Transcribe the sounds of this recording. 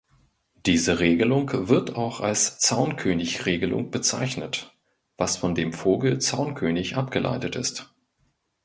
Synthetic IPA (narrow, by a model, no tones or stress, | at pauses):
d̥iːzəʁeːɡəlʊŋkv̥ɪɐtʰaʊxalst͡saʊnkʰøːnɪçʁeːɡəlʊ̰ŋb̥ət͡sa̰ɪçnət | v̥asfɔndeːmfoːɡl̩t͡saʊnkʰøːnɪçʔapɡ̥əlʔa̰ɪtətɪ̰st